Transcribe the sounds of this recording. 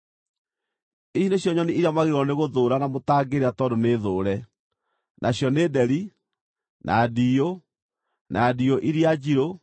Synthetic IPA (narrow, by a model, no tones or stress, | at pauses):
iɕineɕjɔɲɔniʔiɾjamaɣeɾwɔneɣoðoːɾanamotaːɡeɾeatɔdoneːðoːɾɛ | nʔaɕjɔneːdɛɾi | nʔa̰diːo | nadioʔiɾiad͡ʑiɾo